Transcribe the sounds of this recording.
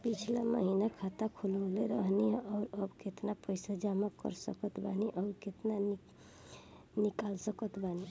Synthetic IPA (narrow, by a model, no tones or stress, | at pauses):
pit͡ʃʰlamə̰ɦinakʰat̪akʰoləleɾəɦniɦɛʔɔːɾəbket̪napəɪsad͡ʒamakə̰ɾsə̰kət̪baniʔɔːɾket̪nan | nikalsəkət̪bani